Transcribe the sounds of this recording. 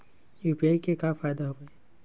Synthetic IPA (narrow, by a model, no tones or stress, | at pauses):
juːpiaːikekafaːjd̪aɦoeː